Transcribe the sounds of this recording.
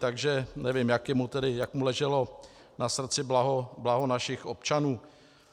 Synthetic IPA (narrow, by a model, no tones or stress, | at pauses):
t̪aɡʒɛnɛvɪmjakjɪmut̪ɛdɪjakmulɛʒɛlo̞ | nasr̩t͡sɪblaɦoblaɦonaʃɪxʔop̚t͡ʃanuː